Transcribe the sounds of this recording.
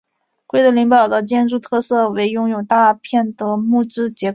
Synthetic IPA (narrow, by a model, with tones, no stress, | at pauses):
kwe˥ɪd̪ə˧li˧˥ŋpɑ˨˩ʊd̪ə˦t͡ɕjɛ˥nʈ͡ʂu˥˧t̪ʰɤ˥˧sɤ˥˩we˧˥ɪjʊ˥ŋjo˨˩ʊt̪a˥˧pʰjɛ˥˩nd̪ə˩mu˥˩ʈ͡ʂɻ̩˥t͡ɕjɛ˧˥